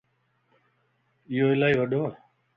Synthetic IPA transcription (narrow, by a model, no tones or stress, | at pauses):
joːɪlaːiʋəɖʱoː